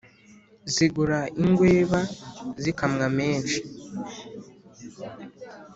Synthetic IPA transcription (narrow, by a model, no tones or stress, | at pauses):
ziɡuɾaiŋɡwe̞ːβazikamŋame̞ːnʃi̥